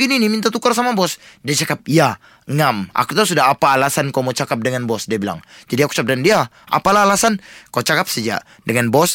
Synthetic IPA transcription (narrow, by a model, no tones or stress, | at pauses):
ɡininimint̪at̪̬ukarsamabɔsdiat͡ʃakap̚ija | ŋama̰kut̪asudaɦapaːlasankawmot͡ʃakap̚dəŋanbɔsdiabila̰ŋd͡ʒadiaku̥t͡ʃakap̚dəndia | ʔa̰palaɦalasankawt͡ʃakap̚sad͡ʒa̰ʔ | dəŋanbɔs